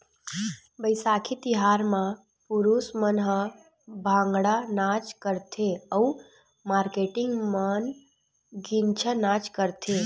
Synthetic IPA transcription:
bəjsakʰit̪iɦaɾmã | puɾusmənɦə | bʱãŋɡɽanat͡ʃkəɾt̪ʰeəu | maːɾkeʈɪŋɡmən | ɡint͡ʃʰənat͡ʃkəɾt̪ʰe

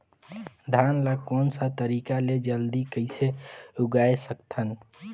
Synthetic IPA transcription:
d̪ʱanləkonsət̪əɾikaled͡ʒəld̪ikəɪseuɡaesəkt̪ʰən

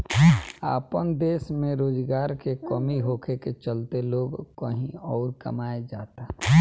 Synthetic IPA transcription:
a̰ːpənd̪eːsmẽɾoːd͡ʒɡaːɾkekɔːmiɦoːkʰeket͡ʃəlt̪eloːɡkəɦĩɔːɾkɐ̰maːed͡ʒaːt̪a

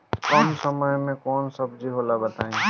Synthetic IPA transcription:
kɔmsəməjmẽkɔːnsəbd͡ʒiɦolabət̪aːẽ

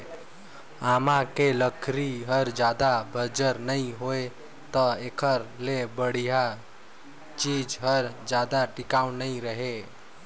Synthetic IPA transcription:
amãkeləkʰɾiɦəɾd͡ʒaːd̪abʱəd͡ʒəɾnəĩɦoe | t̪ɔekʰəɾlebəɽija | t͡ʃid͡ʒɦəɾd͡ʒaːd̪aʈɪkawnəĩɾəɦe

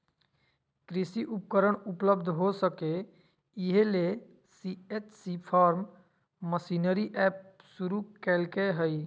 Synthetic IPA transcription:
kɾisiʔup̚kəɾəɳupləbd̪ʱɦosəke | iɦele | siet͡ʃsipʰaɾmː | əsinəɾiʔɛp̚suɾukɛlkeɦəj

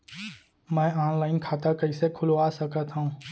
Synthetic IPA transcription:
mɛ̃ːaːnlaːɪnkʰaːt̪akɐisekʰʊloaːsɐkət̪ɦũ

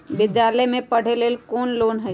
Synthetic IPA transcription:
bɪd̪jaːləjmẽpɐɽ̤eleːlkoːnloːnɦɛ

